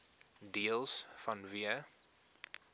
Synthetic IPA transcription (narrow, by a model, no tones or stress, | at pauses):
diəlˠsfɐnviə